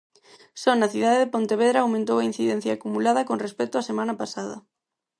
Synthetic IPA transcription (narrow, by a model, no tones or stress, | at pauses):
sɔnaθið̞aðeðepont̪eβeðɾaːwmẽnt̪owain̟θiðɛn̟θjakumulaðɐkonrespɛt̪ʊasemãnapasaðɐ̰